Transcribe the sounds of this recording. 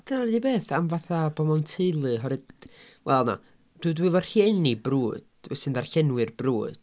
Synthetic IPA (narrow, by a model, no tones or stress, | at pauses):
d̥ənandibeːθamvaθabɔmawntʰeɨlˠɨɦɔɾɨdwʔɛlˠna̰ | d̥ɨdwɪvɔr̥hienibruːd̥vɛsɨndarɬɛnwɨrbruːd̥